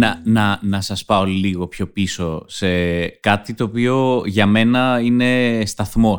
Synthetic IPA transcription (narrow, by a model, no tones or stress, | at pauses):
nɐnɐnɐsɐspɐo̞liɣo̞pço̞piso̞se̞kɐt̪it̪o̞ːpio̞ʝɐme̞nɐine̞st̪ɐθmo̞